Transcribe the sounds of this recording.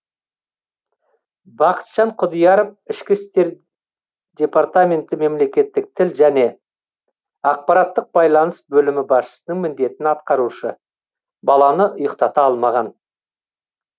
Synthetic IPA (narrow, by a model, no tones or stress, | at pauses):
bɑqə̥t̪ʒ̥ɑɴqʰʊd̪ijɑɾəpɪʃkʲɪst̪e̞ɾ | d̪ʲe̞part̪amʲe̞nt̪ɪme̞mle̞kʲe̞t̪ːɪk̚t̪ʰɪlʒæne̞ | ɑq̚pɑɾɑt̪ːəq̚b̥ɑjlˠɑnəsbɵlɪmɪbɑsʃə̥sənəɴmɪnd̪e̞t̪ɪnɑt̪qɑɾuʃə | bɑlˠɑnəʔʊjəqt̪ɑt̪ɑɑlˠmɑʁɑn